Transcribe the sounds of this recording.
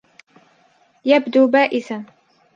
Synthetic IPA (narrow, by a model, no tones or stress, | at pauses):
jabd̪uːbaːʔɪθan